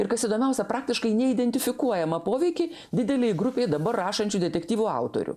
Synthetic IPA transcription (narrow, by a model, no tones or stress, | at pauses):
ɪɾkɐsid̪oːmʲɛʊsʲɛpɾɑːk̚t̪ʲɪʃkɐɪnʲɛɪd̪ʲɛnʲt̪ʲɪfʲɪkuɔjɛmɐpoːʋʲɛɪkʲɪ | d̪ʲɪd̪ʲɛlʲejɡɾʊpʲeːjd̪ɐbɐrrɑːʃɐnʲt͡ʃʲud̪ʲɛt̪ʲɛkt̪ʲiːʋuːɐʊt̪o̰ɾʲʊ̰